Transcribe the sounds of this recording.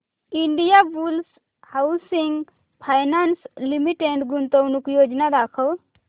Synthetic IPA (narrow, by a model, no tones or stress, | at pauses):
iɳɖijabuls | hausiŋɡ | pʰajnanslimiʈeɳɖɡunt̪ɔunukujoːd͡ʒnad̪akʰɔw